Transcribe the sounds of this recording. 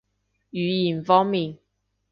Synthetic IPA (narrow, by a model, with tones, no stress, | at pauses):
yː˨˥˦ji˨˩nfɔː˥ŋmiː˨n